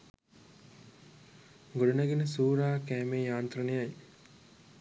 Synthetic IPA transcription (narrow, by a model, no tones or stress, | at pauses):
ɡoɽunɐɡenəsuːɾaːkæːmeːjaːnt̪rɐnejɐj